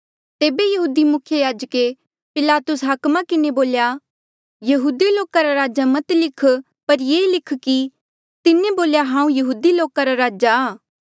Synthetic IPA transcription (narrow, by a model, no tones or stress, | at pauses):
t̪eːbejɐɦuːd̪imʊkʰjəjaːd͡ʒəke | pɪlaːt̪ʊsɦaːkmakɪneboːlja | jɐɦuːd̪iloːkaɾaɾaːd͡ʒamɐt̪lɪkʰ | pɐɾjeːlɪkʰki | t̪ɪneboːljaɦãːũjɐɦuːd̪iloːkaɾaɾaːd͡ʒaː